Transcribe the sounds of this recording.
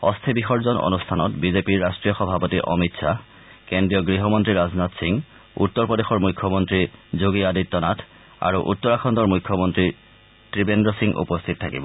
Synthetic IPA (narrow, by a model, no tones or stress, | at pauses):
ɔstʰibixɔɹzɔnɔ̰nustʰanɔtbizepiɹːastɹijɔxɔbʱapɔtiʔɔ̰mitsʰa | kendɹijɔɡɹiɦɔmɔntɹiɹaznatsiŋ | ṵtːɔɹpɔdexɔɹmujkʰːɔmɔntɹizoɡiaditːɔnatʰ | a̰ɹuʔutːɔɹakʰɔntɔɹmujkʰːɔmɔntɹi | tɹibendɔsiŋʔṵpɔst̪ʰit̚tʰa̰kḭbɔ